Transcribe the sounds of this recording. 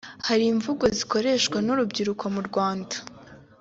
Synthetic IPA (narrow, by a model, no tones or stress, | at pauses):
haɾiɱvuɡo̞ziko̞ɾe̞ʃkwanuɾubɟiɾukʰo̞muɾɡwaːndḁ